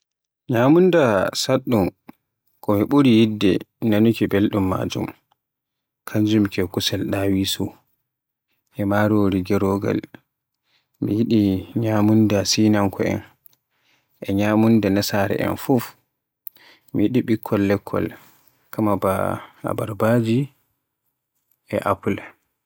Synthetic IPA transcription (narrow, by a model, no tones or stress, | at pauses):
ɲamundasaɗːum | kɔmiɓuɾijidːɛ̰nanukibelɗumːa̰ːd͡ʒṵm | kʰaɲd͡ʒumkɛkusalɗawisu | ʔɛmaːɾoːɾiɡɛɾɔɡa̰l | mḭjiɗiɲamundasinaŋkʰɔɛ̰n | ʔɛɲamundanasaːɾɛ̰ʔɛ̰nfuf | mijiɗiɓikʰːɔlːɛkʰːɔ̰l | kʰamaba̰a̰baɾbaːd͡ʒi | ɛ̰ʔapul